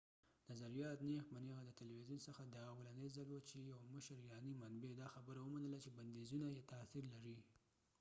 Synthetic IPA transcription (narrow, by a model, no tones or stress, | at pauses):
nazaɾijɑt̪nexmaneɣad̪ət̪ɪlwizunsəxad̪əwland̪əjzalwət͡ʃejawməʃəɾɪɾɑnimanbed̪ɑxabəɾawəmanəlat͡ʃeband̪ezunajet̪aθiɾlaɾi